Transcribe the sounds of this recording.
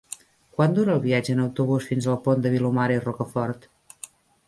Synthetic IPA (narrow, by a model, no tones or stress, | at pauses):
kwand̪uɾəːlˠβiad͡ʒəːnəwt̪uβusfinzəlˠpond̪əβilumaɾirɔkəfɔɾt̪